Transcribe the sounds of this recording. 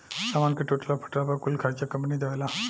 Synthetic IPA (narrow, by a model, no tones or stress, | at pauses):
samankeʈoʈəlapʰə̥ʈɾapəɾkulkʰaɾt͡ɕakəmpnid̪eʋela